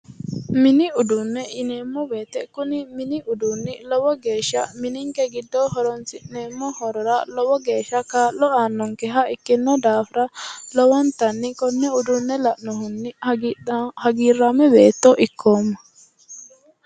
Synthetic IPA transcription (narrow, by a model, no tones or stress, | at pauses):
mɪnɪʊd̪ʊnːɛʔɪneːmːɔbeːt̪ːɛkːʊnɪmɪnɪʔʊd̪unːɪlɔbɔɡe̞ːʃːɐmɪnɪŋkɛɡɪd̪ːɔɦɔɾɔnt͡sɪʔneːmːɔhɔɾɔɾɐlɔbɔɡe̞ːʃːɐkaːʔlɔaːnːɔŋkɛɦɐɪkːɪnːɔd̪aːfɾɐlɔwɐnt̪ɐnːɪkɔnːɛʊd̪ʊnːɛlɐʔnɔɦʊnːɪ | hɐɡiːrːaːmɛbe̞ːt̪ːɔʔɪkːoːmːɐ̥